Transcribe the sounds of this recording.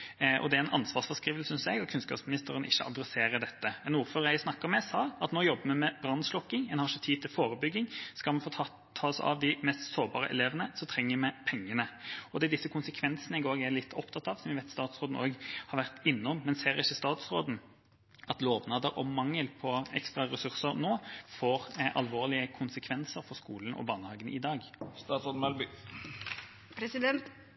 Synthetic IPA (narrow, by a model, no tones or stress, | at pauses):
ʔɔ̰d̪ɛæɾɛnʔɑ̰nsʋɑːʁsfɔskɾiːʋəlsʏnsɛɡɑt̪̚kʰʉnskɑ̰psmɪnɪst̪əɾənʔɪçːəʔɑ̰d̪ɾɛseːɾəd̪ɛt̪ːəmɛnuːɾføːɾəæɪsnɑkːəɾmɛsɑːɑt̪noːjɔbːəmɛmɛbɾɑnslɔkːɪŋɛnhɑʂət̪ʰiːd̪t̪ʰɪlfoːɾəbʏɡːɪŋskɑlmɛnfʰ | t̪ʰɑːsɑ̰ʋd̪ɪmɛst̪soːbɑːɾə̰ʔɛ̰leːʋənəsɔmt̪ʰʁɛŋːəmɛpʰɛŋːənəɔd̪ɛːd̪ɪsːəkʰʊnsəkʰʋɛnsənəɪɡoːɡɛlɪt̪ʰːɔpt̪ʰɑt̪ɑʋsɔmjɪʋɛɪt̪st̪ɑːt̪sʁoːd̪n̩oːɡhɑʁʋæʁt̪ɪnːɔmːɛnseːʁɪçːəst̪ɑːt̪sʁoːd̪n̩ | ɑt̪loːʋnɑːd̪əʁɔ̰mɑŋːəlpʰɔɛ̰kst̪ʁɑʁɛsʉʁsəʁnoːfoːʁʔɑ̰lʋoːʁlɪəkʰʊnsəkʰʋɛnsəɾfɔʁskuːlənʔɔ̰bɑːnəhɑːɡənʔɪd̪ɑːɡst̪ɑːt̪sʁoːd̪n̩ɑlbʏ | pʰɾɛsɪd̪ɛnt̪